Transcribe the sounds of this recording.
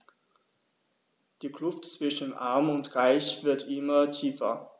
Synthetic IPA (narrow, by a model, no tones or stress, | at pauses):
d̥iːkl̥ʊftt͡sv̥ɪʃn̩nʔaɐmʊntʁaɪçv̥ɪɐtʔɪmɐtʰiːfɐ̰